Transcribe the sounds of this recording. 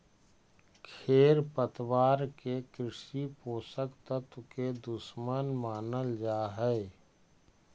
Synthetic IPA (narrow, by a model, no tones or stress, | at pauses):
kʰeːɾpət̪waːɾkekɾɪʃipoːsəkt̪ət̪ked̪ʊsmənmaːnəld͡ʒaːɦɛe